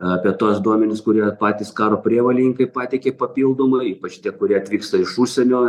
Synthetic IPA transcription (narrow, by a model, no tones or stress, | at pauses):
ɐpʲiɛt̪uɔsd̪uɔmʲɛnʲɪskʊɾʲiɛpɑːt̪ʲiːskɑːɾoːpʲɾʲiɛʋɐlʲɪnʲɪŋkɐɪpɑːt̪ʲɛɪkʲeːpɐpʲiːlˠd̪oːmɐiːpɐt͡ʃt̪ʲiɛkʊɾʲiɛɐt̪ʲʋʲiːkst̪ɐɪʃuːʃʲsʲɛnʲoː